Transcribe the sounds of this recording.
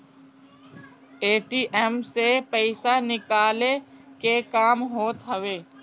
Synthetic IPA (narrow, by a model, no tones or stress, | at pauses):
eːʈiːʔɛmsepəɪsanɪkaːlekekaːmɦoːt̪ɦəʋeː